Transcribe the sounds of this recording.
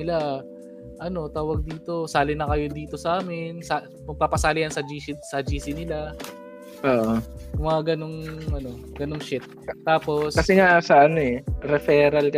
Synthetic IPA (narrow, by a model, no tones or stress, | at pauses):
nɪla | ʔɐno̞t̪aːwɐɡ̚d̪iːt̪o̞saːlɪnɐkɐjo̞d̪iːt̪o̞sɐʔaːmɪnsa | pɐɡ̚papɐsaːlɪjɐnsɐd͡ʒiːsɪsɐd͡ʒiːsɪnɪla | ʔoːʔomɐŋaɡɐno̞ŋʔɐno̞ | ɡ̥ɐnoŋʃɪt̪̚ːaːpo̞skɐsɛŋasɐʔɐno̞ɛɾɛfɛːɾɐlk